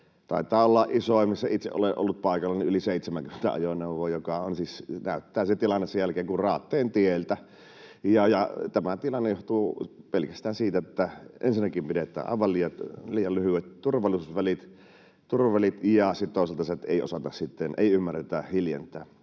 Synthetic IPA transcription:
t̪ɑ̰ˑit̪ːˑɑːolːɑʔʔisoˑimisːæit̪sḛʔʔo̰leʔo̰lːut̪̚pɑˑikɑlːɑniʔʔyliseˑit̪semæŋkymːe̥n̥t̪æ̰ɑ̰joneuʋˑoːjokɑonsisnæˑyt̪ːæːset̪ilɑnːesejælkeːŋkurrɑːt̪ːeːnt̪ielt̪æ | jɑjɑt̪æmæt̪ilɑnːejoht̪uːpelkæst̪æːnsiːt̪æet̪ːæʔensinːækimpiɾet̪ˑæ̰ːʔɑ̰ˑeʋɑlliːjɑt̪liːjɑllyhywet̪t̪urʋɑlːˑisusʋælit̪ | t̪urʋɑʋælit̪jɑsit̪t̪oˑiselt̪ɑset̪ḛˑio̰sɑt̪ɑssit̪ːenʔḛˑiymːærːet̪æhiljḛnt̪ˑæː

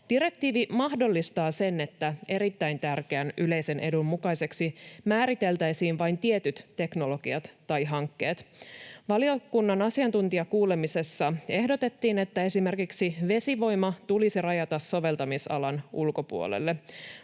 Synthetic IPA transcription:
d̥iɾe̞k̚t̪iːʋimɑhdo̞lːist̪ɑːse̞ne̞t̪ːæe̞ɾit̪ːæjnt̪ærkeænyle̞jse̞nʔe̞dummukɑjse̞ksimæːɾit̪e̞lt̪æjsiːnʋɑjnt̪iet̪yt̪ːe̞kno̞lo̞ɡ̥iɑt̪ːɑjɦɑŋkːe̞ːt̪ʋɑliokunːɑnɑsiɑnt̪unt̪iɑkuːle̞mise̞sːɑe̞hdo̞t̪e̞t̪ːiːne̞t̪ːæe̞sime̞rkiksiʋe̞siʋo̞jmɑt̪ulisirɑjɑt̪ɑsːoʋe̞lt̪ɑmisɑ̰lɑnulko̞pṵo̰lḛlːe

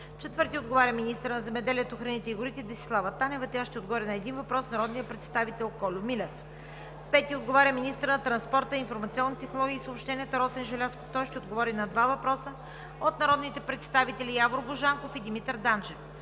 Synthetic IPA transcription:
t͡ʃɛt̪vɤɾt̪iod̪ɡovaɾʲəminist̪əɾnɐzɛmɛd̪ɛlʲiət̪oxɾɐnit̪ɛiɡʊɾit̪ɛd̪ɛsi̥slˠavət̪anɛvət̪ɛaʃt̪ɛod̪̚ɡovɔɾʲɐnɐɛd̪invɐpɾɔsnɐɾɔd̪nijəpɾɛt̪st̪avit̪ɛlˠkɔlʲʊmilɛf | pɛt̪iod̪ɡovaɾʲəminist̪əɾnɐt̪ɾɐnspɔɾt̪əinfoɾmɐt̪siɔnːit̪ɛxnolˠɔɡʲiːsəopʃt̪ɛniət̪əɾɔsɛnʒɛlʲaskoft̪ɔjʃt̪ɛod̪ɡovɔɾinɐd̪vavɐpɾɔsə | ot̪nɐɾɔd̪nit̪ɛpɾɛt̪st̪avit̪ɛlʲijaɡoɾbʊʒaŋkofid̪imit̪əɾd̪ant͡ʃɛf

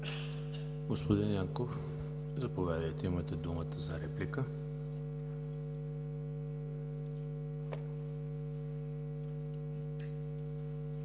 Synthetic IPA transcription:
ɡospod̪injaŋkof | zɐpovʲad̪əjt̪ɛimət̪ɛd̪umət̪əzɐɾɛplikə

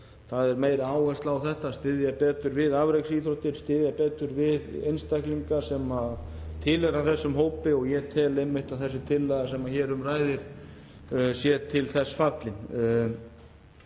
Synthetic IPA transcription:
θaðɛɾmeːjɾaaːwhɛst̪laawθɛht̪ast̪ɪðjapɛːt̪ʏɾvɪðavɾejksiθɾot̪ɪɾ̥st̪ɪðjapɛːt̪ʏɾvɪðejnst̪ɛhkliŋkasɛmaðt̪ʰɪlɛɾaθɛsːʏmɦoːwpɪɔɣjɛt̪ʰɛːlejmːɪht̪aðθɛsːɪt̪ʰɪlːajðasɛmːaçɛːɾʏmraːjðɪɾ̥ | sjɛt̪ʰɪlθɛsːfat̪lɪn

